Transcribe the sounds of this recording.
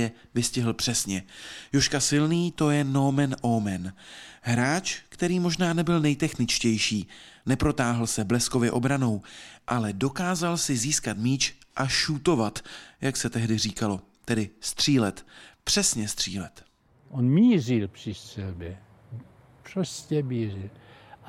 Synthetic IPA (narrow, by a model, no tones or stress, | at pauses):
ɛ | vɪscɪɦl̩pr̥ɛsɲɛjoʃkasɪlniːt̪o̞jɛnomɛnʔowmɛnɦɾaːt͡ʃkt̪ɛɾiːmo̞ʒnaːnɛbɪlnɛjt̪ɛxnɪt͡ʃcɛjʃiːnɛpɾo̞t̪aːɦl̩sɛblɛsko̞vjɛ̰ʔo̞bɾano̞wʔalɛdo̞kaːzalsɪziːskat̪miːt͡ʃʔaʃut̪o̞vat̪jaksɛt̪ɛɦdɪr̝iːkalo̞ | t̪ɛdɪst̪r̝̥iːlɛt̪pr̝̥ɛsɲɛst̪r̝̥ḭːlɛt̪ | ʔonmiːzilpr̥ɪssɛlbɛ | proscɛmiːrɪl